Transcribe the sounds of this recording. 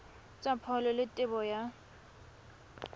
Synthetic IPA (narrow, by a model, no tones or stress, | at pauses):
t͡sʼapʰɔlɔlɪtʼɪbɔja